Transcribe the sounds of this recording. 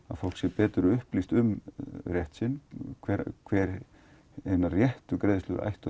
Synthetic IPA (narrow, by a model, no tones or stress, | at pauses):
a̰ðfowl̥ksɛpɛːt̪ʏɾʏʏhplist̪ʏmrjɛht̪sɪnːkʰvɛɾkʰvɛːɾ | ejnarjɛht̪ʏkɾeːjðʏst̪ʏ̰ʔa̰jht̪ʏ